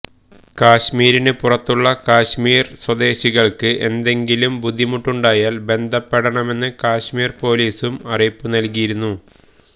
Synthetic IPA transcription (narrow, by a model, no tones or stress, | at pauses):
kaːɕmiːɾinɨpurɐt̪ːuɭːɐkaːɕmiːrswɐd̪e̞ːɕiɣɐɭkɨʔe̞̰nd̪e̞ŋɡilumbud̪ʱːimuʈːuɳɖaːjaːlbe̞nd̪ʱɐpːeɽɐɳɐme̞nːɨkaːɕmiːrpo̞ːliːsumɐrijpːunɐlkijiɾunːu